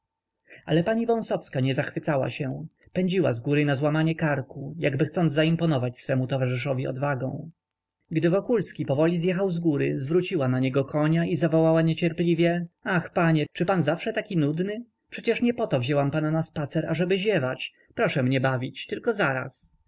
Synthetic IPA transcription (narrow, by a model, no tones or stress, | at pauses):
a̰lɛpaɲivɔ̃sɔfskaɲɛzaxfɘt̪sawa̰ɕɛ | pɛɲd͡ʑiwa̰zɡuɾɘnazwamaɲɛkaɾkujaɡbɘxt̪sɔnd̪zaimpɔnɔvat͡ɕsfɛmut̪ɔvaʐɘʂɔvʲiɔ̰d̪vaɡɔ̰̃w̃ | ɡd̪ɘvɔkulskʲipɔvɔlʲizjɛxawzɡuɾɘzvɾut͡ɕiwanaɲɛɡɔkʰɔɲaʔizavɔwawaɲet͡ɕɛɾplʲivʲjɛaxpaɲɛt͡ʂɘpanzafʂɛt̪akʲinud̪nɘ | pʂɛt͡ɕɛʂɲɛpɔt̪ɔvʑɛwampananaspat̪sɛɾaʐɛbɘʑɛvat͡ɕ | pɾɔʂɛmɲɛbavʲit͡ɕt̪ɘlkɔzaɾa̰s